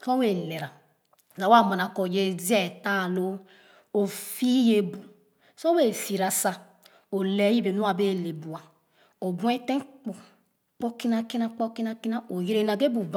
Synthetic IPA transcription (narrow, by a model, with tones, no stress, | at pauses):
kɔ˦we˨le˨ɾa˨ | za˨wa˦˨ma˨na˨ko˨je˦zi˦ɛ˦˨ta˦˨lo˦ | o˨fi˦je˦bu˨ | so˦we˦˨fi˨ɾa˨sa˦ | o˨le˨˦ji˦be˨nu˦a˨be˦˨le˨bu˨a˨ | o˨bũ˦e˦te˦k͡pu˨ | k͡pɔ˦ki˦na˨ki˦na˦k͡pɔ˦ki˦na˦ki˦na˦ʔo˨je˦ɾe˦n˨a˨ɡe˦bu˨b